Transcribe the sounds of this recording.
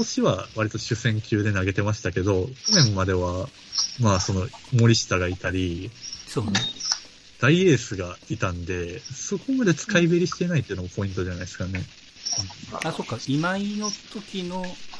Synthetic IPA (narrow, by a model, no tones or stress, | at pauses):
oɕiβaβaɾʲit̪o̞ɕɨsẽ̞ŋkʲɨːd̪e̞naɡe̞t̪e̞maɕi̥t̪ake̞d̪o̞konẽ̞mːad̪e̞βa | maːso̞no̞mo̞ɾʲiɕi̥t̪aɡait̪aɾʲisoːn | d̪̥aie̞ːsɨɡait̪ãnd̪e̞so̞ko̞mad̪e̞t͡sɨ̥kaibeɾʲiɕi̥t̪e̞inait̪ːoiɯ̟nomopo̞ĩnt̪o̞danaid̪esɨ̥kanẽ̞ | aːsokːaimainot̪okʲino